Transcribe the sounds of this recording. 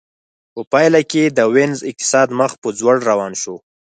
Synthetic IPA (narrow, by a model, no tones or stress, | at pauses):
pəpɑjlaked̪əwenzɪk̚t̪ɪ̥sɑd̪məxpəd͡zwaɽɾawɑnʃo